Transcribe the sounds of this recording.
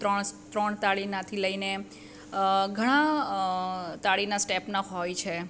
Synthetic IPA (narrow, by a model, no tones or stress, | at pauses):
əɳt̪ɾəɳt̪aɭinat̪ʰiləine | ɡʱəɽ̃a | t̪aɭinasʈepnaɦojt͡ʃʰe